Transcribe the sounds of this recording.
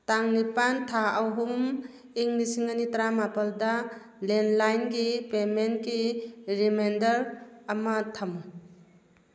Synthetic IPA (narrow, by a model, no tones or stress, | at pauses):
taŋnipantʰaawɦumm | iŋnisiŋɐnitɾamapɐldɐ | lenlajnɡipemenkiɾimendɐɾɐmɐtʰamu